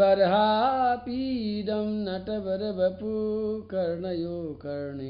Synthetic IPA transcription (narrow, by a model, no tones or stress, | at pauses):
ɐɾɦaːpiːd̪ɐmnɐʈɐbɐɾɐbɐpukɐɾɳɐjoːkɐɾɳɐ